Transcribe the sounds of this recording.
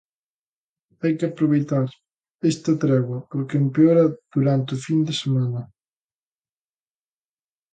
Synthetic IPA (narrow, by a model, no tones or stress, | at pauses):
ajkɪɐpɾoβ̞ejt̪aɾ | est̪ɐt̪ɾɛɣwɐpoɾkeempeoɾɐð̥uɾant̪ɪʊfind̪esemanɐ